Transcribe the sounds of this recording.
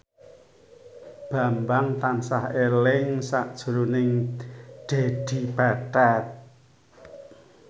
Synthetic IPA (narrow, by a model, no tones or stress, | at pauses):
b̥a̤mbaŋt̪ansahelɪŋsaʔd̥ʒ̥ṳɾunɪŋɖ̪̥ed̪̥i̤pat̪at̪̚